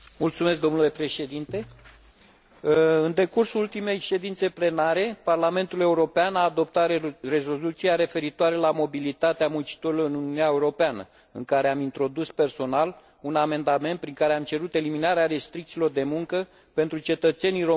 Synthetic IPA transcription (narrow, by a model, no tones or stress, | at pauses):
mult̪sumesk̚d̪o̞mnule̞pɾe̞ʃe̞d̪int̪e̞ | ɨnd̪e̞kursuult̪ime̞jʃe̞d̪int̪se̞ple̞naɾe̞parlame̞nt̪ule̞uɾo̞peanaːd̪o̞p̚t̪at̪re̞zo̞lut̪siaɾe̞fe̞ɾit̪oaɾelamo̞bilit̪at̪eamunt͡ʃi̥t̪oɾiloɾɨnununiaeuɾo̞peanə̰ | ɨ̰ŋkaɾe̞amint̪ɾo̞d̪uspe̞rso̞nal | uname̞nd̪ame̞nt̪̚pɾiŋkaɾeamt͡ʃe̞ɾut̪e̞liminaɾeaɾe̞st̪ɾik̚t̪silo̞rd̪e̞muŋkə | pe̞nt̪ɾut͡ʃe̞t̪ət̪se̞niɾo